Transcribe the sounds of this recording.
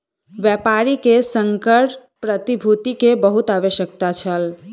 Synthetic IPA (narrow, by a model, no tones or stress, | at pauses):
bjɛpaɾikesəŋkəʈ | pɾət̪ibʱut̪ikebəɦut̪abeʃjək̚t̪at͡ʃʰəl